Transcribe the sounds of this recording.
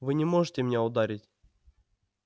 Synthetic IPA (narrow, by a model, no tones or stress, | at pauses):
vɨnʲɪmo̞ʐɨtʲɪmʲɪnʲaʊd̪aɾʲɪtʲ